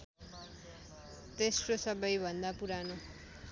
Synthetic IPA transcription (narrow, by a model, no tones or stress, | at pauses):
t̪esʈosʌbʌjbʱʌnd̪apuɾano